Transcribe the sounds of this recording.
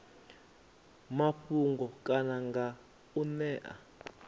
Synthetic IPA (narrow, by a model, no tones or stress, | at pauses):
maɸuŋɡɔkʼanaŋɡa | unɛːʔa̰